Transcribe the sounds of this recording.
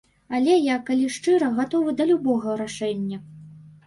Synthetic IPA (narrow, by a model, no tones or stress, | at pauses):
alʲɛjakalʲiʂt͡ʂɨɾɐɣat̪ɔvɨd̪ɐlʲubɔɣɐɾaʂɛnʲːɐ